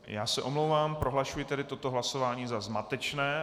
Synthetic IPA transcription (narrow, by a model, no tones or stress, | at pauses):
ja̰ːsɛʔo̞mlowvaːmpɾo̞ɦlaʃujɪt̪ɛdɪt̪o̞t̪o̞ɦlaso̞vaːɲiːzazmat̪ɛt͡ʃnɛː